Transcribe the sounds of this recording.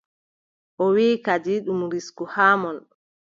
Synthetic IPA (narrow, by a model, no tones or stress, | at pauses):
ʔɔwiːkad͡ʒiɗumɾiskuhaːmɔn